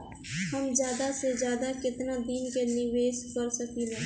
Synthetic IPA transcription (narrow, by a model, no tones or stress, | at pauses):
həmzjaːd̪ased͡ʒjaːd̪akɪt̪nad̪iːnkenɪʋeːʃkəɾsəkilɛ̃ː